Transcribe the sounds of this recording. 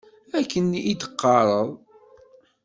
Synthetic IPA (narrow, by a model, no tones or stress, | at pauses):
ækːənid̪ə̥qːɑɾˤəðˤ